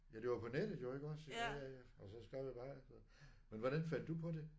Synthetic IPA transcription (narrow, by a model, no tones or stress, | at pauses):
jæd̥e̝ʋɑ̈pʰɒ̽ned̥əð̩ˠjoe̝ɡ̥ɒ̽seæɒ̽sɒ̽sɡ̥ʁɛʊ̰jb̥ɑ̈ːʋeð̰ˠ | menʋɒɾ̥ænfæn̰d̥upʰɒ̽de̝